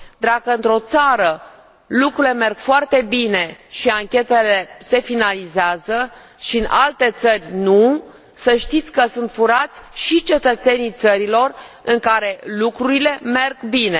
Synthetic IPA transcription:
d̪akəɨnt̪ɾo̞t̪saɾə | lukɾuileme̞rɡ̥foart̪e̞bine̞ʃiaŋkʲe̞t̪e̞le̞se̞finalizeazə | ʃiɨnʔalt̪e̞t̪sərʲnu | səʃt̪it̪sʲkəsunt̪fuɾat̪sʲʃit͡ʃe̞t̪ət̪se̞nijt̪səɾilo̞r | ɨŋkaɾe̞lukɾuɾile̞me̞rɡbine̞

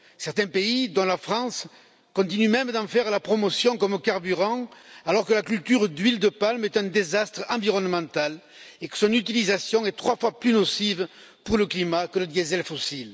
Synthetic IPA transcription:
sɛʁt̪ɛ̃peid̪ɔ̃lafχɑ̃s | kɔ̃t̪inymɛmd̪ɑ̃fɛʁlapχɔmɔsjɔ̃kɔmkaʁbyʁɑ̃alɔʁkəlakylt̪yʁd̪ɥild̪əpalmɛt̪ɛ̃d̪ezast̪χɑ̃viʁɔnəmɑ̃t̪al | ekə̥sɔ̃nyt̪ilizasjɔ̃ɛt̪χwafwaplynɔsiv | puʁləklimakələd̪jezɛlfɔsil

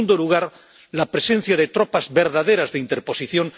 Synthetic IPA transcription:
und̪oluɣ̞aɾ | lapɾe̞se̞n̟θjaðe̞t̪ɾopazβe̞ɾðaðeɾazðeint̪eɾpo̞siθjo̞ŋ

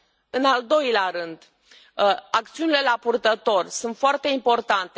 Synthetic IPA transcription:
ɨnald̪o̞jleaɾɨnd̪ | ak̚t̪siunile̞lapurt̪ət̪o̞rsunt̪foart̪e̞impo̞rt̪ant̪e

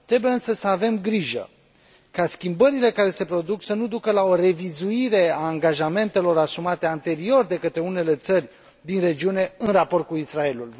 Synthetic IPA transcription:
t̪ɾe̞buje̞ɨnsəsəave̞mɡɾiʒə̰ | kaskʲimbəɾile̞kaɾe̞se̞pɾo̞d̪uksənud̪ukəlao̞re̞vizuiɾe̞aːŋɡaʒame̞nt̪e̞lo̞ɾasumat̪e̞ant̪e̞ɾio̞rd̪e̞kət̪ɾe̞une̞le̞t̪sərʲ | d̪inre̞d͡ʒiune̞ɨnrapo̞rt̪̚kuisɾae̞lul

